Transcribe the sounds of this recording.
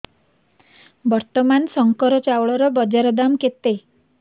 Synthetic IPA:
bɔɾt̪ɔmansɔŋkɔɾɔt͡ʃawɭɔɾɔbɔd͡ʒaɾɔd̪amket̪e

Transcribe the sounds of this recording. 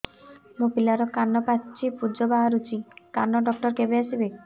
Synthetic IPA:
mũpilaɾɔkanːɔpat͡ʃʰipud͡ʒɔbaɦaɾut͡ʃʰikanːɔɖɔk̚ʈɔɾkebeasibe

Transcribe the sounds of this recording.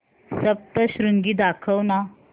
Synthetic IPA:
səp̚t̪əɕɾuŋɡiːd̪akʰəwna

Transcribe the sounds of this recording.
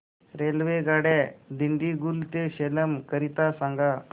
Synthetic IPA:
ɾelʋeɡaɽɛd̪iɳɖiɡult̪eɕeləmkəɾit̪asãŋɡa

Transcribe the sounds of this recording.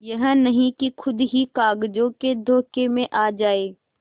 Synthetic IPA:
jɐɦə̃nɐɦĩkixʰʊd̪ɦikaːɡd͡ʒõked̪ʱoːkemẽʔaːd͡ʒaːeː

